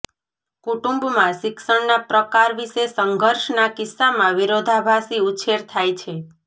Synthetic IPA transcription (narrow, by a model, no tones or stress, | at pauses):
kuʈũmbmãʃɪksəɳnapɾəkaɾʋiʃesəŋɡʱəɾʃnakɪsːamãʋiɾod̪ʱabʱasiut͡ʃʰeɾt̪ʰajt͡ʃʰe